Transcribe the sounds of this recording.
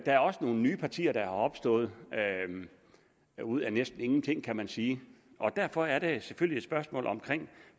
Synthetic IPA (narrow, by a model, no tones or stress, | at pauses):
d̥ɑ̈æɐɒ̽səno̝ːnənyːpʰɑ̈t͡sʰḭːɐd̥ɑ̈hɑ̈ɒ̽b̥sd̥ɔ̰̽ːð̞̩ˠø | uð̞̰ˠænesd̥n̩e̝ŋn̩t͡sʰe̝ŋ̰kʰæmænsiː | ʔɒ̽d̥æɐfɒ̽æɐɾ̥e̝seføl̰ied̥sb̥ɶɐsmɔ̰̽ːlʔɒ̽mkʰʁeŋ̰